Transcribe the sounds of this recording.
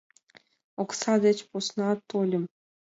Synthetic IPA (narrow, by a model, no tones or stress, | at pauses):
oksɑd̪et͡ɕposnɑt̪ːolʲə̆m